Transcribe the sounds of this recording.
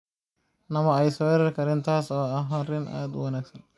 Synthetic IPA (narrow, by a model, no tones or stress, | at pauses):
nɐmɐɛjsɔɛɾɐrkʰɐɾɛːnt̪ʰaːsɔːɐɦɐɾɪnʔa̰ːd̪wɐnaːɡsɐn